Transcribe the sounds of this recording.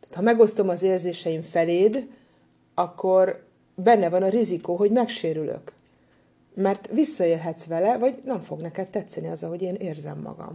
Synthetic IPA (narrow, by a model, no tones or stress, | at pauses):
t̪ɛːt̪hɒmɛɡo̞st̪o̞mɒzeːrzeːʃɛjiɱfɛleːd̪ | ɒkːo̞r | bɛnːɛvɒnɒɾizikoːɦo̞ɟmɛkʃeːɾylø̰k | mɛrt̪ʋisːɒeːlɦɛt̪sʋɛlɛvɒɟnɛɱfo̞ɡnɛkɛt̪ːɛt̪sɛniɒzɒɦo̞ɟeːneːrzɛ̰mːɒ̰ɡɒ̰m